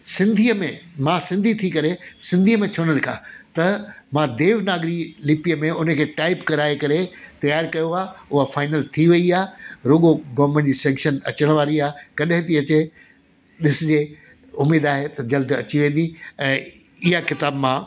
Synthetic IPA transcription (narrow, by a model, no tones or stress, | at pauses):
sɪ̃nd̪ʱiːəmẽmãːsɪ̃nd̪ʱit̪ʰikɐɾesɪ̃nd̪ʱiːəmẽt͡ɕʰoːnəlɪkʰãːt̪ɐmãd̪eːʋnaːɡɾilɪpijəmẽʊnə̆kʰeːʈaːɪpkɐɾaːekɐɾet̪ɐjaːɾkɐjoaːʊɦafaːɪnəlt̪ʰiʋɐiaːɾʊːɡoɡɐːmẽɳʈd͡ʑiːsɛ̃ːŋkʃənɐt͡ɕəɽ̃ʋaːɾiaːkɐɗɦɪ̃t̪iɐt͡ɕe | ɗɪsɪd͡ʑeː | ʊmeːd̪aːɦet̪ɐd͡ʑɐld̪ɐ̰t͡ɕiʋẽːn̆d̪iɛ̃ː | ɪɦakɪt̪aːbmã